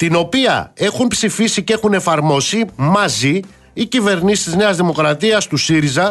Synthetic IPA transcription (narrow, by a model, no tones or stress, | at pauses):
t̪ino̞piɐ̰e̞xumpsifisice̞xune̞fɐɾmo̞simɐziː | cive̞ɾnisi̥st̪izne̞ɐzðimo̞kɾɐt̪iɐst̪usiɾizɐ